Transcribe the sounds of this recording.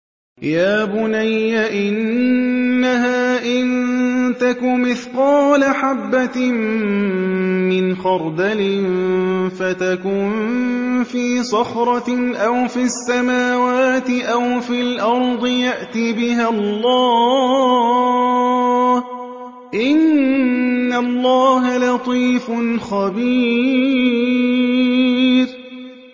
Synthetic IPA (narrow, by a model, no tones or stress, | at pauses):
jaːbʊnajːaʔɪnnː | aɦaːʔɪnt̪akʊmɪθqɑːlaħabːatm | mɪnxɑɾˤd̪alɪnfat̪akʊnnfiːsˤɑxɾˤɑʔawfiasːamaːwaːt̪ɪʔawfilʔɑɾˤd̪ˤɨjaʔt̪ibɪɦallˤːɑː | h | ʔɪnː | alːɑːɦalɑt̪ˤiːfʊnxabiː | ɾ